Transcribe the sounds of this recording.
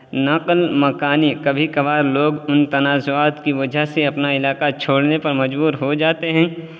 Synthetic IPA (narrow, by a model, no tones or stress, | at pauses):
nɐqlmɐkaːnikɐbʱikɐbaːɾloːɡʊnt̪ɐnaːzʊaːt̪kiʋɐd͡ʒʱaɦseɐpnaɪlaːqat͡ʃʰoːɽnepɐɾmɐd͡ʒbuːɾɦod͡ʒaːt̪eɦɛ̃ː